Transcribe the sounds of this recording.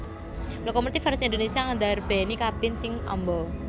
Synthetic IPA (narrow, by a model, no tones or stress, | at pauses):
lokɔmut̪ifaɾʊsind̪onesiaŋand̪arb̥ɛnikab̥ɪnsɪŋɔ̰mbɔ